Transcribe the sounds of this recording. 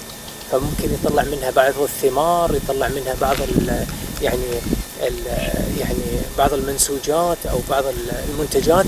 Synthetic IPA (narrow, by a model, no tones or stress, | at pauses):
famʊmkɪnjt̪ˤːɑlːɪʕmɪnhabɑʕðˤɨθːɪmɑːɾˤjt̪ˤɑlːɑʕmɪnhabɑʕðˤɨljaʕni | jaʕnibɑʕðˤɪlmansuːd͡ʒaːt̪ʔa̰wbɑʕðˤɨllmʊnt̪ad͡ʒaːt̪